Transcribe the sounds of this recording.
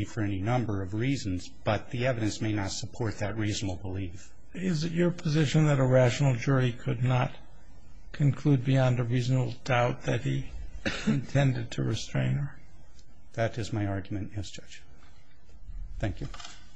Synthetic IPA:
ifə˞ɛninʌ̃mbə˞ʌvɹizn̩zb̥ʌt̪̚ðiɛvɨɾɨ̃nsmeɪnətsəpʰɔɹt̪̚ðɨt̚ɹiznəbl̩ˠbəlif | ɪzɨt͡ʃə˞pʰɨzɪʃɨ̃nðɨɾəɹæʃn̩l̩ˠd͡ʒʊɹikʰɨdⁿnət̚ | kʰɨ̃nkʰl̥ud̚biɑ̃ndəɹiznəbl̩ˠdaʊt̪̚ðɨt̚hi | ɨ̃ntʰɛ̃ndɨd̚tʰɨɹɨstɹ̥ẽɪ̃nə˞ | ðɨɾɨzmaɪɑɹɡjmɨ̃nɪsd͡ʒʌ̥d͡ʒ̥ | θæ̃ŋkjʉ

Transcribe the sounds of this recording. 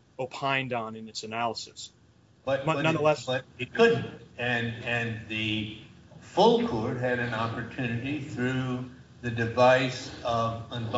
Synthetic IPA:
oʊpʰãɪ̃ndn̩ɨ̃nɨtsɨnælˠəsɨs | b̥ʌt̚bʌʌnʌ̃nðəlɛsbʌtɨt̚kʰʊdⁿn̩tɨ̃nɨ̃nðɨ | fʊlˠkʰɔɹt̚ɦɨɾɨ̃nɑpə˞tʰʉnɨɾiθɹʉ | ðɨdɨvaɪsʌvə̃nd

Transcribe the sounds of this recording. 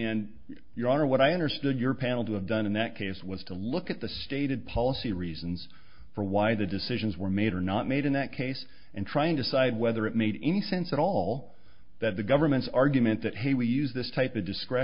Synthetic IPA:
ɨ̃n | jə˞ɑnə˞wʌɾaɪʌ̃ndə˞stʊdə˞pʰænl̩ˠtəːvdʌ̃nɨ̃nðɨt̚kʰeɪswʌz̥tʰəlʊkɨt̪̚ðɨsteɪɾɨd̚pʰɑlˠəsiɹiz̃n̩z̥ | fə˞waɪðɨdɨsɪʒɨ̃nzwə˞meɪɾə˞nət̚meɪɾɨ̃nðɨt̚kʰeɪs | ʔɨ̃ntʰɹ̥aɪɨ̃ndɨsaɪd̚wɛðə˞ɨt̚meɪɾɛnisɛ̃nsɨɾɔlˠ | ðɨt̪̚ðɨɡʌvə˞mɨ̃ntsɑɹɡjɨmɨ̃nðɨt̚ɦeɪwijʉzðɪstʰaɪpʌvdɨskɹɛ

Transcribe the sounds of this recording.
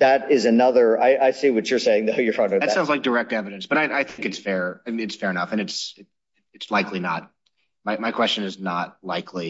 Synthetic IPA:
ðɨɾɪzɨnʌðə˞aɪʔaɪsiwʌt͡ʃə˞seɪɪ̃ŋðoʊjə˞fʌ̃nðɨtsaʊ̃nzlaɪk̚d̥ə˞ɛk̚tɛvɨɾɨ̃nsb̥ʌɾaɪʔaɪθɪ̃ŋkɨtsfɛɹɨɨtsfɛɹɨnʌfɨ̃nɨtsɨ | ɨtslaɪkʰlinə̰t̚ | maɪmaɪkʰw̥ɛst͡ʃɨ̃nɨznət̚laɪkʰli

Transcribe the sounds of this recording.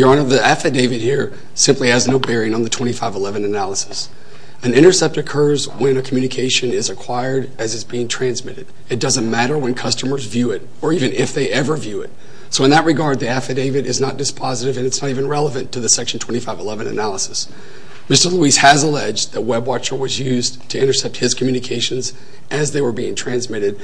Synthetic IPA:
jə˞ə̃nðiæfɨd̥eɪvɨd̚hiɹ | sɪ̃mpliɨznoʊbɛɹiɪ̃ŋə̃nðɨtʰw̥ɛ̃ɾ̃ifaɪvəlɛvɨ̃nɨnælˠəsɨ̥s | ɨ̃nɪ̃ɾ̃ə˞sɛp̚tɨkʰɜ˞zwɨ̃nɨkʰmjʉnɨkʰeɪʃɨ̃nɪzɨkʰw̥aɪə˞ɾ | ɨzɨzbiɪ̃ŋtʰɹ̥æ̃nzmɪɾɨɾ | ɨt̚d̥ʌzɨ̃nmæɾə˞wɨ̃nkʰʌstəmə˞zvjʉɪɾ | ə˞ivɨ̃nɪfðeɪʔɛvə˞vjʉɪ̰t̚ | soʊə̃nðɨt̚ɹɨɡɑɹd̪̚ðiæfɨdeɪvɨɾɨznət̚d̥ɨspʰɑzɨɾɨvɨ̃nɨtsnəɾivɨ̃nɹɛlˠəvɨ̃ntʰɨðɨsɛkʃn̩tʰw̥ɛ̃ɾ̃ifaɪvəlɛvɨ̃nɨ̰nælˠəsɨ̥s | mɪstə˞luiz̥hɨzəlɛd͡ʒðɨt̚wɛbwɑt͡ʃə˞wʌzjʉztʰɨɪ̃ɾ̃ə˞sɛp̚t̚hɨz̥kʰm̩jʉnɨkʰeɪʃɨ̃n̩z | ʔɨzðeɪwə˞biɪ̰̃ŋtʰɹ̥æ̃nzmɪɾɨd̥̚

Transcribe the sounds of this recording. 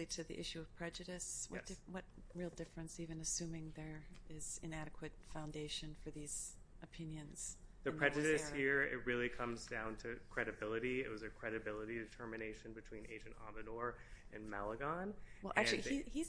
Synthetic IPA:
liɾɨðḭʔɪʃʉʌv̥pʰɹ̥ɛd͡ʒɨɾɨswʌ̰t̚d̥ɪwʌt̚ɹilˠdɪfɹɨ̃nsivɨ̃nɨsʉ̃mɪ̃ŋðə˞ɪz̥ɨ̃næɾɨkʰwɨtfãʊ̃ndeɪʃɨ̃nfə˞ðiz̥ʔɨpʰɪ̃njɨ̃nz̥ðɨɹ̥ɛd͡ʒɨɾɨshiɹɪ̰t̚ɹɪlˠikʰʌ̃mzdãʊ̃ntʰɨkʰɹ̥ɛɾɨbɪlˠəɾiɪt̚wʌzɨkʰɹ̥ɛɾɨbɪlˠəɾidɨtʰɜ˞mɨneɪʃɨ̃nbɨtʰw̥ĩnḛɪd͡ʒɨ̃ntɑ̰mɨnɔɹɨ̰̃nmæ̰lˠəɡɑ̃nwɛlˠʔæ̰kt͡ʃʉlˠiihiz

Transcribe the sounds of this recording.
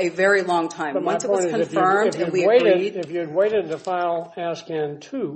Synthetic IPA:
ɨvɛɹilɔ̃ŋtʰãɪ̃mwʌ̃nsɨtɔw̃ɪ̃znkɨ̃zɨfɜ̃˞mdɨ̃nwiɨeɪɡɹidɨfjɨd̚weɪɾɨd̪̚ðɨfaɪlˠæskæ̃ntʰʉ

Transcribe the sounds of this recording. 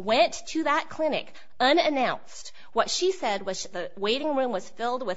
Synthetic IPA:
wɛ̃ntʰɨðət̚kʰl̥ɪ̃nɨ̰k | ʌ̃nɨnãʊ̃nst̚ | wʌtʃisɛd̚wʌz̥ðɨweɪɾɪ̃ŋɹʉ̃mwʌz̥fɪlˠd̚wɨ

